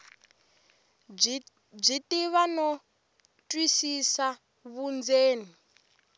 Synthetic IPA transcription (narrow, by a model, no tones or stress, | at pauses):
b͡ʐitiβanɔ | tʼwisisa | βund͡zeːni